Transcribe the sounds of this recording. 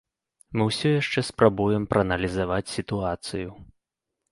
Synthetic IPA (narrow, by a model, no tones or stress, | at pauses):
mɨwsʲɔjaʂt͡ʂɛspɾʔabujɛmpɾʔɐːnɐlʲizavat͡sʲsʲit̪uat̪sɨju